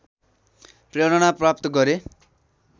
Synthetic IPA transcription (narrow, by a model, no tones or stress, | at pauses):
prjeɽʌnaprap̚t̪ʌɡʌɾe